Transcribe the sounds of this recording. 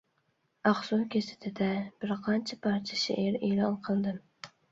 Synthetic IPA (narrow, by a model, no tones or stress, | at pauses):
ɑχsuwkʲesɪ̥t̪ʰɪd̪ɛb̥ɪɾqʰɑnt͡ʃʰapʰɑɾt͡ʃʰḁʃɪ̰ʔeɾelˠɑnqʰəlˠd̪ɪm